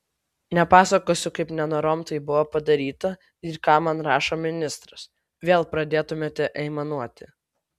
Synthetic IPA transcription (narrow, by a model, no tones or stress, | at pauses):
nʲɛpɑːsɐkoːsʲʊkɐɪpnʲɛnoːɾoːmt̪ɐɪbʊʋopɐd̪ɐɾʲiːt̪ɐ | ɪkɑːmɐnɾɑːʃoːmʲɪnʲɪst̪ɾɐs | ʋʲeːlˠpɾɐd̪ʲeːt̪ʊmʲeːt̪ʲɛʔɛɪmɐnuɔt̪ʲɪ